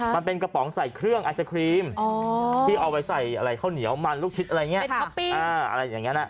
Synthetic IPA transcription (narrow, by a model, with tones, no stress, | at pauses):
ma˧npe˧nka˧pɔː˩˦ŋsa˨˩jkʰɾɯ˥˩əŋʔa˧sa˧kʰɾiː˧mɔː˧iː˥˩ʔa˧wa˧jsa˨˩jʔa˧ɾa˧jkʰa˥˩wni˩˦əwma˧nluː˥˩k̚t͡ɕʰi˦˥t̪ʔɾa˧jŋi˦˥ɐ˧˦pi˧ʔaː˧ʔa̰˧ɾa˧jːaː˨˩ŋːi˦˥na˧˩